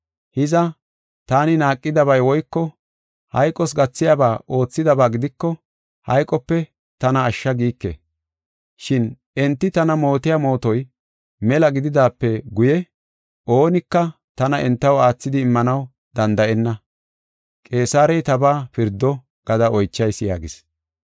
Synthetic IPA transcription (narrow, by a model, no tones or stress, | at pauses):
hɪzɐ | t̪aːnɪnaːkʼːɪd̪ɐβɐjwɔjkːɔ | hɐ̰jkʼɔsɡɐt͡sːɪjabaːʔo̞ːt͡sːɪd̪ɐbaːɡɪd̪ɪkːɔ | hɐ̰jkʼɔpːɛ | t̪ɐnɐːʃːɐɡiːkːḛ | ʃɪn | ɛnt̪ːɪt̪ɐnɐmo̞ːt̪ɪjaːmo̞ːt̪ɔj | mɛlɐɡɪd̪ɪd̪aːpːɛɡʊjɛ | ʔo̞ːnɪkːɐ | t̪ɐnɐʔɛnt̪ːɐwaːt͡sːɪd̪ɪːmːɐnɐw | d̪ɐnd̪ɐʔɛnːɐ | kʼe̞ːsaːɾɛjt̪ɐbaːpɪɾd̪ːɔ | ɡ̥ɐd̪ɐɔjt͡ʃːɐjsɪja̰ːɡɪs